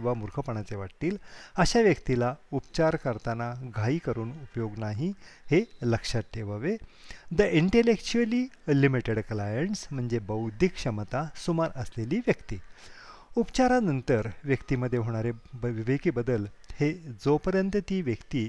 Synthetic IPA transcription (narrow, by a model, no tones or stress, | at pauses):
ʋ̤amuɾkʰəpəɳ̃at͡seʋaʈt̪iːləɕaʋjəkt̪ilaupt͡ɕaɾkəɾt̪anaɡʱaiːkəɾuːnupjoɡnaɦiheləkʂat̪ʈʰːeʋaʋed̪əʔiɳʈelekt͡ɕuəlilimiʈeɽklajəɳsm̤əɳd͡zebəwd̪ʱikʂəmət̪asumaɾəsleliːʋjəkt̪iː | upt͡ɕaɾanənt̪əɾʋjəkt̪iməd̪ʱːjeɦoɽ̃aɾeʋiʋekiːbəd̪əl | hed͡zopəɾjənt̪ət̪iːʋjəkt̪iː